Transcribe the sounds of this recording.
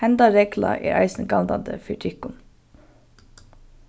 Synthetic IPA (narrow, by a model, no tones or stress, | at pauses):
ɛnd̪ɑɾeːɡlɑ̰ʔḭːʔæ̰ɪsn̩ɡɑld̪ɑd̪əfiʈʰɪkʊn